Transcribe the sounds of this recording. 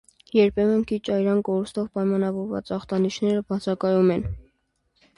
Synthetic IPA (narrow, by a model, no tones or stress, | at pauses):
jɛɾpʰɛmənkʰit͡ʃʰɑjɾɑnkɔɾust̪ɔvpɑjmɑnɑvɔɾvɑ̰t͡sɑχt̪ɑniʃnɛɾəbɑt͡sʰɑkɑjumɛn